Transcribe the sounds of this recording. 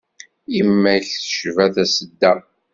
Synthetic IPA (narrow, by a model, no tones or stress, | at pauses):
imːæçθə̥ʃvæθæsəd̪ːæ